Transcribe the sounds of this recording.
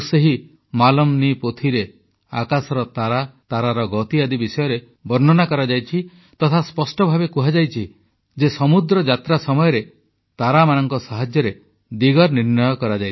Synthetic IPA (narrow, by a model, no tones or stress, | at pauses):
seɦi | malɔmnipot̪ʰiɾe | a̰kasɔɾɔt̪aɾat̪aɾaɾɔɡɔt̪iad̪ibisɔjɔɾe | bɔɾnɔnakɔɾad͡ʒajt͡ʃʰi | t̪ɔt̪ʰaspɔsʈɔbʱabekuɦad͡ʒajt͡ʃʰi | d͡ʒesɔmud̪ɾɔd͡ʒat̪ɾasɔmɔjɔɾe | t̪aɾamanɔŋkɔsaɦad͡ʒjɔɾe | d̪iɡɔɾniɾnɔjɔkɔɾad͡ʒaj